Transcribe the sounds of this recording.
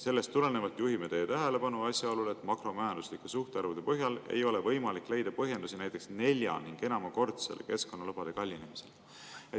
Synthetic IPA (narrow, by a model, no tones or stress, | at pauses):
se̞lːe̞st̪ːule̞ne̞vɑt̪ːˑjuɦimet̪e̞jet̪æɦe̞le̞pɑnuɑsʲjɑo̞lule̞t̪ːˑmɑkro̞mæjɑnd̪uslikːˑesuht̪eɑrvud̪̥e̞pɤɦjɑle̞̰jo̞le̞vɤ̞jmɑlikːˑle̞jd̪̥ɑpɤɦje̞nd̪̥usinæjt̪ːˑe̞ksne̞lʲjɑ̰niŋɡ̥e̞nɑmɑko̞rt̪selḛke̞sko̞nːɑlɤpɑd̪e̞kɑlʲːinemise̞l | e